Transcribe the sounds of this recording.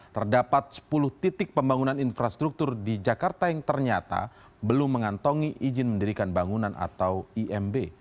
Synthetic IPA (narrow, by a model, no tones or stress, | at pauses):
t̪ərdapat̪̚sə̥pulʊht̪it̪ɪk̚pəmbaŋunaninfɾast̪ɾuk̚t̪ʊrdid͡ʒakart̪ajaŋt̪ərɲat̪a̰ | bəlʊmːəŋant̪ɔŋiʔid͡ʒɪnməndəɾikanbaŋunanʔa̰t̪awiʔɛmbe